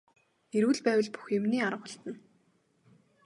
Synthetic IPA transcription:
eɾŭːɮpæːwə̆ɮpu̥xjʊmniːaɾə̆χwʊə̆ɬt̪ə̆n

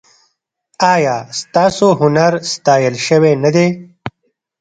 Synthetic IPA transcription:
ɑːjɑːst̪ɑːsoɦʊnaɾst̪ɑːjəlʃəwenad̪e

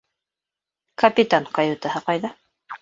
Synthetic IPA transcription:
kɐpʲit̪ankajut̪ahɤqɑjðɑ

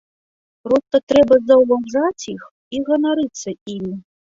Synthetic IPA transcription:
pɾɔst̪ɐt̪ɾɛbɐzɐwvawʐat͡sʲjix | iɣɐnaɾɨt̪sːɐimʲi

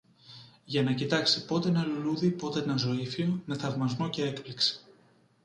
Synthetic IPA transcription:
ʝɐnɐcit̪ɐksipo̞t̪e̞nɐluluðipo̞t̪enɐzo̞ifionɐθɐvmɐznoce̞ekplikse̥

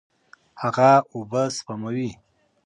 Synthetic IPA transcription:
haɣaubəspamawi

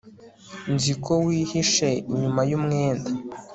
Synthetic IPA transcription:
nzikʰowiːhiʃe̞iɲumajumŋeːnda

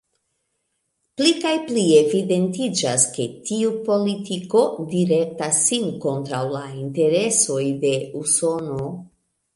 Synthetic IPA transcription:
plikajplie̞vide̞ntid͡ʒaske̞tiupo̞litiko̞diɾe̞k̚tasːinko̞ntɾawlainte̞ɾe̞so̞jde̞uso̞no̞

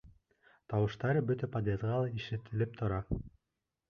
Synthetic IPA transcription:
t̪ɑwɤ̆ʃt̪ɑɾɤbɵt̪æpad̪ʲezʁɑlˠɑiʃɘt̪ʰɘ̆lɘp̚t̪ʰŏɾɑ

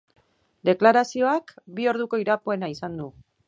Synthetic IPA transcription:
d̪e̞klaɾasio̞akbio̞ɾðuko̞iɾapo̞e̞naisand̪u

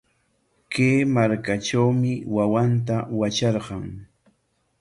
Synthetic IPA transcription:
keːmaɾkaʈ͡ʂawmɪwawant̪awat͡ʃɑɾɢɑŋ

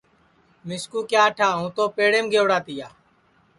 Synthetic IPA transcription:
mɪskuːkjaːʈʰaːɦũːt̪oːpeːɽeːmɡeːʋɽaːt̪ɪjaː

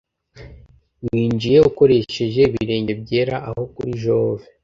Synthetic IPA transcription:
wiːnd͡ʒije̞uko̞ɾe̞ʃe̞ʒe̞βiɾe̞ːɲɟe̞b̚ɟe̞ːɾaʔaho̞kuɾiʒo̞ːve

